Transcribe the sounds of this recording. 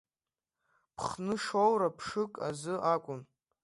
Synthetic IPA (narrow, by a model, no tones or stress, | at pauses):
pʰχnɨʂowɾapʰʂɨkʼa̰zɨʔakʷʼʊn